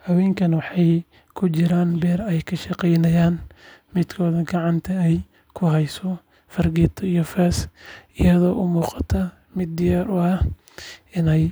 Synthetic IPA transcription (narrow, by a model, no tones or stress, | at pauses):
hɐwɛːŋkʰɐnwɑħɑj | kʰʊt͡ʃɪɾaːnbɛːrɛjkʰɐʃɑqɛjnɐjaːnmɪd̪kʰɔːðɐɡɑʕɑnt̪ʰɐɛj | kʰʊɦɛjsɔ | fɐrɡɪt̪ʰɔijɔfɛːsʔɪjɐðɔːʔʊmuːqɑ̥t̪ʰɐ | mɪd̪ːɪjaːɾʊɐh | ɪnɛj